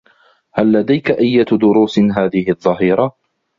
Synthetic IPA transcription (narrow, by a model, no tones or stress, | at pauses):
halːad̪ajkaʔajːad̪ʊɾuːsɦaːðɪhɪðˤːɑɦiːɾa